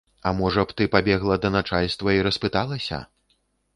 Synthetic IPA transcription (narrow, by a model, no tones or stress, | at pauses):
ɐmɔʐɐpt̪ɨpabʲɛɣlˠɐd̪ɐnat͡ʂalʲst̪vɐiɾɐspɨt̪alˠɐsʲɐ̰